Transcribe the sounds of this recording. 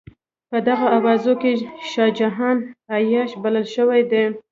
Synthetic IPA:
pəd̪aɣaːwɑzokeʃɑd͡ʒaɦɑnajɑʃbaləlʃəwajd̪e

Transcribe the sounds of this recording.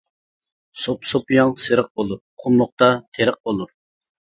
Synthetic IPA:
sopsopjɑŋsɨɾəq̚bolˠuɾqʰʊmlˠʊq̚t̪ɑt̪ʰeɾəq̚bolˠuɾ

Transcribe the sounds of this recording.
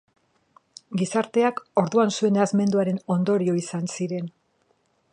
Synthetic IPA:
ɡisaɾt̪e̞ako̞ɾðuansue̞nazme̞nd̪uaɾe̞no̞nd̪o̞ɾio̞isansiɾe̞n

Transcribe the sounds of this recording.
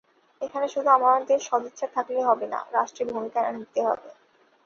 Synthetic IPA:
ekʰaneʃud̪ʱuamaaɾd̪eʃːɔd̪otːʃat̪ʰakleɦɔbena̰ɾaʃʈɾibʱumikaa̰nikt̪eɦɔ̰be

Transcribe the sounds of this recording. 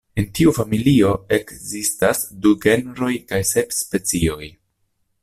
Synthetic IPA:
e̞ntiufamilio̞e̞kzistasduɡe̞nɾo̞jkajse̞pspe̞t͡sio̞j

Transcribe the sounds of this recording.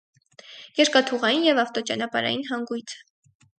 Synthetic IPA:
jɛɾkɑt̪ʰuʁɑjinjɛvɑft̪ɔt͡ʃɑ̰nɑpɑ̰ɾɑ̰jinɦɑŋɡujt͡sʰə̥

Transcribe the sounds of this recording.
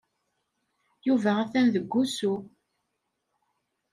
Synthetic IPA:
juvæʁæθænðəɡʷːusu

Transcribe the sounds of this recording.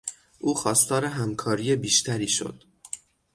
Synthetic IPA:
ʔuːxɒːst̪ɒːɾe̞ɦæmkʰɒːɾiːjebiːʃt̪ʰæɾiːʃo̰d̪̥

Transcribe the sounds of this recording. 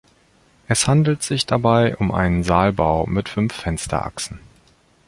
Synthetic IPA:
ʔɛshandl̩tz̥ɪçd̥abaɪʔʊmʔa̰ɪnənzaːlbaʊmɪtfʏnfːɛnstʰɐ̰ʔa̰ksn̩

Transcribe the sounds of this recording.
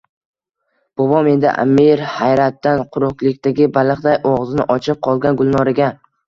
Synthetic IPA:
b̥ɒbɒme̞nd̪ɪ̰ʔa̰miɾhajɾat̪ːanqʰʊɾʊqlˠɪkʲt̪aɡʲɪbalˠɨqd̪ajʔɒʁzɪnɪ̰ʔɒt͡ʃʰɪp̚qʰɒlˠɡʲanɡʊlˠnɒɾaɡʲa

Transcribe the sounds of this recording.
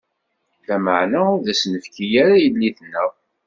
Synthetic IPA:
θæmə̰ʕnæʊɾðæsnəfkijaɾajəlːiθnːəʁ

